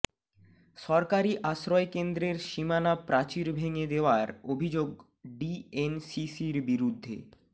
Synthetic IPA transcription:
ʃɔɾkaɾiʔaʃɾɔekend̪ɾeɾʃimanapɾat͡ɕiɾbʱeŋed̪eoaɾobʱid͡ʑoɡ | ɖiensisiɾbiɾud̪ʱːḛ

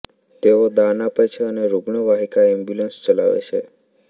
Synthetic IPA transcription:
t̪eod̪anapet͡ʃʰeəneɾuɡɳəʋaɦikaɛmbjulənst͡ʃəla̰ʋḛt͡ʃʰe

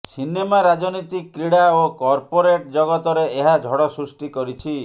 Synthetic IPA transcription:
sinemaɾad͡ʒɔnɔjt̪ikːɾiɽaokɔɾpoɾeʈd͡ʒɔɡɔt̪ɔɾeeɦad͡ʒʱɔɽɔsɾusʈikɔɾit͡ʃʰi

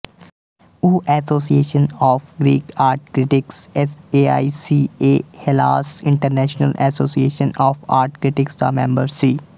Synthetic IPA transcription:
uːʔɛːsoːsieːʃənɔːfɡɾiːkaːɾʈ̚kɾɪʈɪksɛeːaːisiːeːhɪla̰ːsɪ̃ɳʈəɾnɛːʃnəlɛsoːsieːʃənɔːfa̰ːɾʈkɾɪʈɪksd̪a̰ːmɛ̃mbəɾsiː

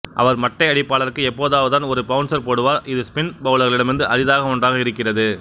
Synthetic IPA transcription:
ʔɐ̰ʋɐɾmɐʈːɐɪɐɽɪpːaːɭɐɾkːɯɛpːoːðaːʋɐt̪ːaːnɔɾɯpɐʋɯnsɐɾpoːɽɯʋaːɾɪðɯspɪnbɐʋɭɐɾɣɐɭɪɽɐmɪɾɯnd̪ɯʔɐðɪðaːɣɐɔɳdraːɣɐɪɾɯkːɪrɐðɯ

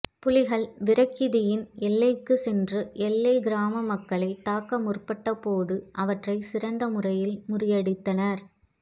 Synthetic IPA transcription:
pʊlɪɣɐɭʋɪɾɐkːɪðɪjɪnɛlːɐɪkːɯsɛndrɯʔɛlːɐɪɡɪɾaːmɐmɐkːɐɭɐɪt̪ːaːkːɐmʊrpɐʈːɐpoːðɯʔɐʋɐʈrɐɪsɪrɐnd̪ɐmʊrɐjɪlmʊrɪjɐɽɪt̪ːɐnɐɾ

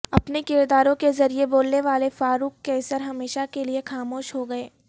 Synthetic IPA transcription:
ɐpnekɪɾd̪aːɾõkezɐɾieboːlneʋaːlefaːɾuːkːɛːsəɾɦɐmeːʃakeliexaːmoːʃɦoɡɐeː

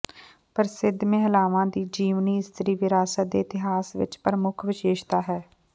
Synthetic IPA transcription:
pəɾsɪd̪mẽːɦəlaːʋãːd̪iːd͡ʒiːʋniːɪst̪əɾiːʋɪɾaːsət̪̚d̪eːɪt̪ɪɦaːsʋɪ̰t͡ʃpɾəmʊkʰʋɪʃeːʃt̪aːɦɛː

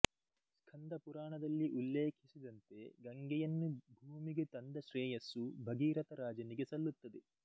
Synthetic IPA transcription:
skʰɐnd̪ɐpuɾaːɳɐd̪ɐlːiʔulːeːkʰisid̪ɐnt̪e̞ɡɐŋɡɛjɐnːubʱuːmiɡet̪ɐnd̪ɐʃɾɛːjɐsubʱɐɡiːɾɐt̪ɐɾaːd͡ʒɐniɡe̞sɐlːut̪ːɐd̪e

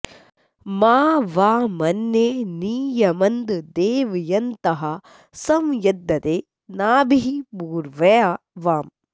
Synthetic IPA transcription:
maːʋaːmɐnːeːniːjɐmɐnd̪d̪eːʋijɐnt̪ɐɦɐ | sɐmjɐd̪ːɐt̪eː | naːbiɦibuːɾʋɐja | ʋaːm

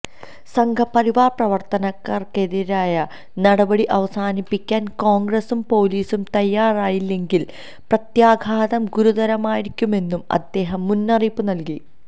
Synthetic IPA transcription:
sɐŋɡʱɐpɐɾiʋaːprɐʋɐrt̪ɐnɐkːarkeðiɾaːjɐ | nɐɽɐbɐɽiʔɐʋɐsaːnipːikʲːaːnko̞ːŋɡrɐsumpo̞ːliːsumt̪ɐjːaːraːjilːe̞ŋɡil | prɐt̪jaːɡʱaːðɐmɡuɾuðɐɾɐmaːjiɾikʲːume̞nːumɐ̰d̪ːe̞ːɦɐmːunːɐripːunɐlki

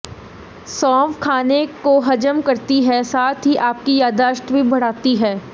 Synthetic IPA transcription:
sɔ̃ːʋkʰaːnekoɦɐd͡ʒəmkɐɾt̪iɦɛsaːt̪ʰɦiʔaːp̚kijaːd̪aːʃʈ̪bʱibɐɽ̤aːt̪iɦɛː

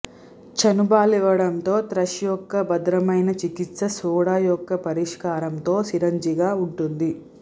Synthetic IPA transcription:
t͡ʃɐnubaːliʋɐɽɐnt̪o̞ːt̪ɾɐʃjɔkːɐbɐd̪ɾɐmɐjnɐt͡ʃikit̪sɐsuːɽaːjɔkːɐpɐɾiʂkaːɾɐmt̪o̞ːsiɾɐɲd͡ʒiɡaːuɳʈund̪i

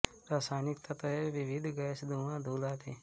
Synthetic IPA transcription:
ɾaːsaːnɪkt̪ɐt̪əɦeʋɪʋɪd̪ʱɡɐsd̪ʱuːʋãd̪ʱuːlaːt̪iː

